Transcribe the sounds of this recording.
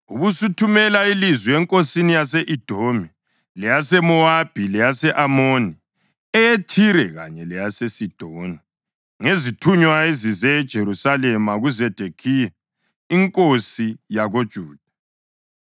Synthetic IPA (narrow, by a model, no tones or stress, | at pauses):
ṵβusutʰumɛlailizwiɛŋkʼosinijaseʔid̥ʱomi | lɛjasɛmɔab̥ʱilɛjasɛʔamoni | ɛjetʰiɾɛɣa̰ɲɛlɛjasesid̥ʱoːni | ŋezitʰuɲwaezizɛd̥ʒ̥ʱeɾusalɛmaɣuzɛd̥ʱekʰija | iŋkʼosijaɣod̥ʒ̥ʱuːd̥ʱa